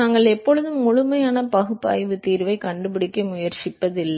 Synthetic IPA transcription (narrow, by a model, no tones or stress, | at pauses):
aːŋɡɐɭɛpːɔɻɯðɯmːʊɻʊmɐjaːnɐpɐɣɯpːa̰ːjʋɯt̪iːɾʋɐɪkɐɳɖɯpɪɽɪkːɐmʊjɐɾt͡ʃɪpːɐðɪlː